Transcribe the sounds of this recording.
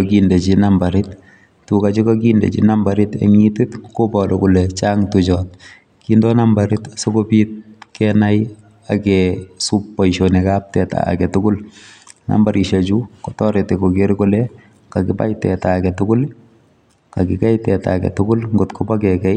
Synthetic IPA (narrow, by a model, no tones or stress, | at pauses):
kindet͡ʃinambaɾɪt | tukat͡ʃikakindḛt͡ʃḭnambaɾɪtɛ̰ŋitɪtkobɔdɔkulɛt͡ʃaŋtut͡ʃɔt̚ | kindɔnambaɾɪtsokopit̚kɛnaj | akɛsupːɔjʃonekap̚tɛta̰ːkɛtʊkʊlna̰mbaɾʔiʃat͡ʃukotɔɾetekokeɾkolɛ | kakɪpa̰jtɛ̰takɛtʊkʊl | kakɪkɛjtɛta̰kɛ̰tʊkʊlŋɡotkʰobakɛkɛj